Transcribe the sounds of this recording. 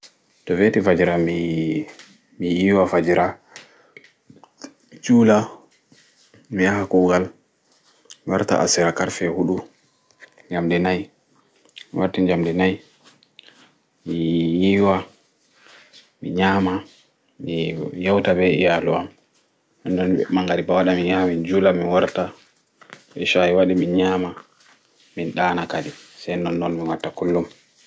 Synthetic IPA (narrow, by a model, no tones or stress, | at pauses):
tɔvetifad͡ʒiɾami | mijiwafad͡ʒiɾʔa | t͡ʃuːla | mijahakɔɡal | waɾta̰ʔa̰siɾakaɾfɛhuɗu | d͡ʒamdinaj | waɾtiɲd͡ʒamdinaj | mijiwa | mḭɲaːma | mijawtabɛijaluam | nɔndɔnmaŋɡaɾibawaɗamijamind͡ʒulaminwaɾta | ɓɛʃaiwaɗiminɲama | minɗaːnakadisajnɔnːɔnmiwatːakulːum